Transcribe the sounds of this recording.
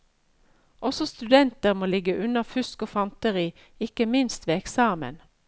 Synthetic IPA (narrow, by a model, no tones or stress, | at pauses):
ʔɔsɔst̪ʉd̪ɛnt̪əʁmoːlɪɡəʔʉnɑfʉskoːfɑnt̪əʁiː | ɪkəmɪnst̪ʋeːɛksɑːmə̰n